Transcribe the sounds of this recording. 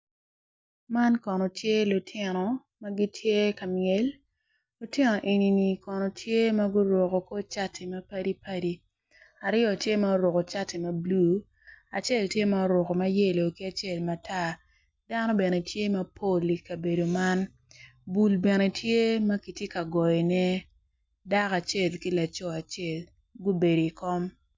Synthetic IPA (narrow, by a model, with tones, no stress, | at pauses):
ma˦nkɔ˨nɔ˨tʰje˦lʊ˨tʰɪ˦nɔ˨ | ma˦ɡi˦tʰje˦ka˨mjɛ˨l | lʊ˨tɪ˦nɔ˨ʔe˨ni˨ni˨kɔ˨nɔ˨tʰje˦ma˦ɡʊ˦ɾwɔ˨ko˨ko˦t͡ʃa˦tʰɛ˨ma˦pa˦di˦pa˦di˦ | a˨ɾɪ˦ɔ˨tje˦ma˦o˦ɾɔ˨ko˨t͡ʃa˦ti˨mɐ˦blu˦ | a˨t͡ʃe˦˨ltje˦ma˦o˦ɾʊ˨ko˨ma˦je˦lo˨ki˦a˨t͡ʃe˦˨lma˨ta˦˨ | da˦nɔ˦bɛ˨nɛ˨tʰje˦ma˦pʰo˦˨li˨ka˨be˨do˨ma˦n | bu˨lbɛ˨nɛ˨tʰje˦ma˦ki˨tje˦ka˨ɡɔ˨jɛ˨nɛ˦ | da˦ka˨t͡ʃe˦˨lki˦la˨t͡ʃɔ˦a˨t͡ʃe˦˨l | ɡu˦be˨do˨i˨kɔ˦m